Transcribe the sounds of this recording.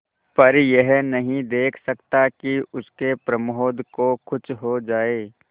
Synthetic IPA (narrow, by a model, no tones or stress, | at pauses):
pɐɾjɛɦnɐɦĩd̪eːkʰsɐkt̪akiʊskepɾəmoɦd̪ʱkokʊt͡ʃɦod͡ʒaːeː